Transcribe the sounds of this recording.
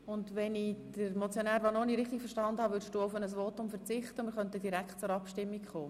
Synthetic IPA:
ʊndʋɛnid̥əɾmɔt͡sjonæːɾʋanoːniɾɪχt̪ikfəɾʃtɑndəhɑʋʏʃtuʊfənəs̬voːtʊmfəɾt͡sɪχtəmɪɾχœntəd̥iɾækχtt͡sʊɾɑpʃtɪmːikχoː

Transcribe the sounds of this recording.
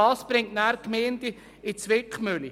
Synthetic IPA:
ɑːsb̥ɾɪŋtnæːɾkmeːnd̪i | ɪt͡sʋɪkχmøli

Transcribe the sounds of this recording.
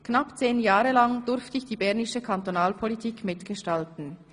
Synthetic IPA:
knɑpt͡seːnjaːʁəlɑŋd̥ʊɾftəɪçd̥iːbɛʁnɪʃəkʰantonaːlpʰolitʰiːkmɪtɡ̥əʃtaltn̩

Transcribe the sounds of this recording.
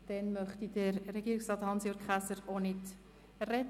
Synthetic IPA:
d̥ɛnmœχt̪idəɾːɛɡ̥iːɾɪksrɑːt̪hɑnsjoɾkχæsəɾonɪt | rɛt

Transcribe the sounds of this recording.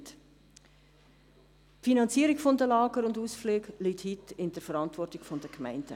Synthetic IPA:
t | pfinɑnt͡siəɾiɡfɔndəlɑːɡəɾʊnduːsfleːɡlithitɪndəɾfəɾɑntvɔrtɪɡ̥fɔndəkmæɪnd̥ə

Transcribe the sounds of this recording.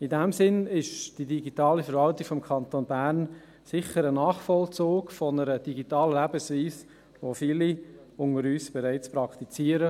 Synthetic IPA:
idɛmsɪnɪʃd̥idiɡitɑːlifəɾʋɑltikfɔmkʰɑnt̪oːnbæɾn | sɪχəɾənɑːχfɔlt͡soːkfɔnəɾəd̥iɡitɑːləlæbəsviːs | ʋoːfiːli | ʊŋəɾyːsb̥ɛɾaɪt͡spɾɑkt̪it͡siːəɾə

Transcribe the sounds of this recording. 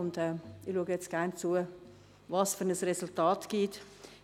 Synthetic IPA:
ʊndɛːɪluəɡəjɛt͡sɡ̥æɾnt͡suə | vɑsfyɾnəsresʊltɑːtɡ̥it

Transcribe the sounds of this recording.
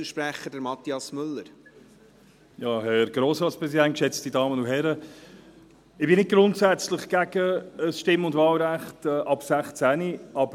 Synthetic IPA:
əʃpɾæχədəɾmɑt̪ːiɑsmʏlːəɾ | jɑːhɛɾɡ̥ɾoːsɾɑːtspɾɛsidænt̚kʃɛt͡stidɑːmənuɦɛɾə | ɪb̥ɪnɪd̚ɡ̥ɾʊntsæt͡slɪχɡ̥æɡəəsʃtɪmʊndvɑːlɾæχtɛʔɑpsæχt͡sæniɑbə

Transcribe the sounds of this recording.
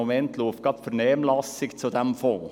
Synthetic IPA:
ʊmɛntt̪loːfkɑːpfɔɾneːmlɑsɪkt̪sɔd̪ɛmfɔː

